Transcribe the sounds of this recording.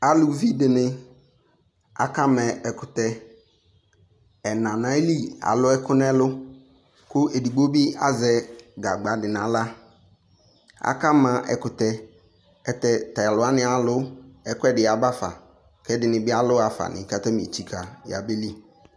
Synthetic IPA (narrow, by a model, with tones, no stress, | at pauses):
a˦lʊ˨˦vi˦dɪ˨nɪ˦ | a̰˨ka˦mɛ˨ɛ˨kʊ˨tɛ˨ | ɛ˨nã˨nã˦li˦a̰˨lʊ˦ɛ˦kʰʊ˦nɛ˦lʊ˦ | kʊ˦e˨di˨ɡ͡bo˦bi˦a˦zɛ˨ɡa˨ɡ͡ba˨dɪ˨na˨˦la˦ | a̰˨ka˦mã˨ʔɛ̰˨kʊ˨tɛ˨ | ɛ˨tɛ˦ta˨a˨lʊ˨˦a˦nɪ̃˨a˨lʊ˦ɛ˦kɛ˦dɪ˨a˨ba˦fa̰˨ | kɛ˦dɪ˨nɪ̃˨bɪ˦a˦lʊ˦a˨fa̰˨nʔɪ̰˨˦ka˨ta˦mĩ˨e˨t͡ɕi˦kʰa˨ja̰˨be˦li˦